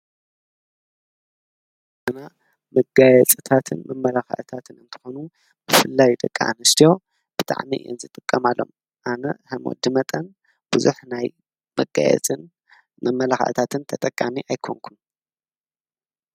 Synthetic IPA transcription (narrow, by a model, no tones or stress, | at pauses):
ʔɨna | mɨɡajɛt͡sʼɨt̪ʰat̪ʰɨnmɐmːɐlaxɐ̰ʔt̪ʰat̪ʰɨnɨnt̪ʰɨ̥xo̞nu | b̥ɨfɨlːajd̪ɐkʼːaa̰nɨst̪ʰijo̞ | b̥ɨt̪ʰʼa̰ʕmiʔɨ̰jo̰nzɨt̪ʼɨkʼːɐmalːo̞̰m | ʔanɐhɐmo̰d̪ɨmɐt̪ʼɐn | b̥ɨzuħnaj | mɐɡa̰jɛ̰t͡sʼɨn | mɐmːɐlaxə̰ʔt̪ʰat̪ʰɨnt̪ʰɐt̪ʼɐkʼːamiʔajkʰoŋkʰun